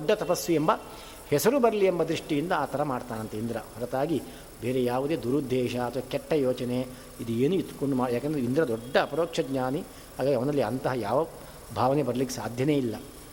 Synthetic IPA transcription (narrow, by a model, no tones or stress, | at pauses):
ɖːɐt̪ɐpɐsʋiembɐ | hɛsɐɾubɐɾɐliembɐd̪ɾiʂʈijind̪ɐaːt̪ɐɾɐmaːɖt̪aːnɐnt̪eind̪ɾɐhɐɾɐt̪aːɡi | beːɾejaːʋud̪e̞ːd̪uɾud̪ʱːɛːʃɐɐt̪ʰʋɐkɛʈːɐjoːt͡ʃɐne | id̪ueːnuit̪ːu̥koɳɖumaːɽjaːkɐnd̪ɾeind̪ɾɐd̪ɔɖːɐːpɐɾoːkʂɐɡɲaːni | haːɡaːɡiɐʋɐnɐlːiɐnt̪ɐɦɐjaːʋɐ | bʱaːʋɐnebɐɾɐlikːesaːd̪ʱjɐne̞ːilːɐ